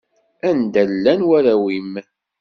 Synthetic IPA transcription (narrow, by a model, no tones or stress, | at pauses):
ænd̪ælːænwæɾæwim